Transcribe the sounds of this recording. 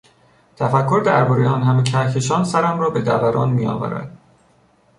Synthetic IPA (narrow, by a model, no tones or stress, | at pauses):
t̪ʰæfækʰːo̞ɾd̪æɾbɒːɾejɒːnhæmecʰæɾcʰe̞ʃɒːnsæɾæmrɒːbe̞d̪æ̰væɾʔɒ̰ːnmijɒ̰ːvæ̰ɾæ̰d̪̥